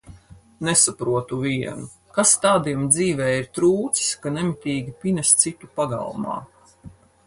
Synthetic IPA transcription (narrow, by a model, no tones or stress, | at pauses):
nesapɾuɔt̪uvʲiɛnu | kast̪aːd̪iɛmd̪ziːvɛːiɾt̪ɾuːt̪sskanɛmit̪ʲiːɡʲipʲinɛst̪sit̪upaɡa̰lˠmɑ̰ː